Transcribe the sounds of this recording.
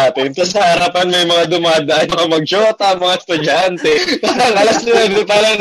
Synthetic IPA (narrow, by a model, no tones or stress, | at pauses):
at̪ɪnk̪ɐsɐhɐɾapɐnmɐjmɐŋad̪ʊmaːd̪ɐʔanmɐŋamɐɡ̚t͡ʃoːt̪ɐɐmɐŋaɛst̪ʊd͡ʒant̪ɛpaːɾɐŋʔɐlɐsɪwɛnd̪ɛpɐlɐŋ